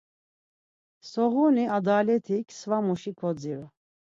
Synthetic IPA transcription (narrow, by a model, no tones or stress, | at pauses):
sɔɣuniad̪alɛt̪ʰikʰsvamuʃikʰɔd͡ziɾu